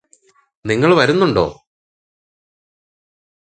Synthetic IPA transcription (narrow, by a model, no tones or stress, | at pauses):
niŋːɐɭʋɐɾunːuɳɖo̞̰ː